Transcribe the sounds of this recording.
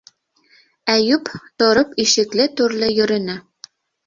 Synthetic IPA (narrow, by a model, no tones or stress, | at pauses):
æjʉpt̪ŏɾɤpiʃɘ̆klɘt̪ʉɾlɘjɵ̆ɾɘ̆nɘ